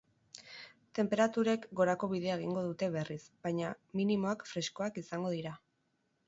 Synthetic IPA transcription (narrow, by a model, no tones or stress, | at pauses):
t̪e̞mpe̞ɾat̪uɾe̞kɡo̞ɾako̞βiðe̞aeɣ̞iŋɡo̞ðut̪e̞βe̞risbaɲaminimo̞akfɾe̞sko̞akisaŋɡo̞ðiɾa